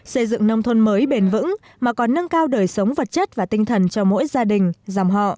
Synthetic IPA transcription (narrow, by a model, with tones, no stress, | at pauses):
sə˧jzɨ̰˧˨ŋnə˧wŋ͡mt̪ʰə˧nməː˨˦jɓe˨˩nvɨ̰˧˥ŋ | maː˨˩kɔ˨˩nːə˧ŋkaː˧wɗəː˨˩jsə˨˦wŋ͡mvə˨˩t̚t͡ɕə˦˥t̚vaː˨˩t̪ï˧ŋ̟t̪ʰə˨˩nt͡ɕɔ˧mo̰˧˥jzaː˧ɗï˨˩ŋ̟zaː˨˩mɦɔ̰˧˨ʔ